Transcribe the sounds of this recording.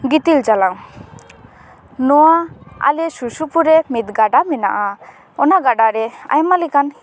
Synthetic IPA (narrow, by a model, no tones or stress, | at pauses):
ɡit̪ild͡ʒalaŋ | nɔaa̰lɛsusupuɾɛmit̪̚ɡaɖamɛna̰ʔa | ɔnaɡaɖaɾɛa̰jmalikan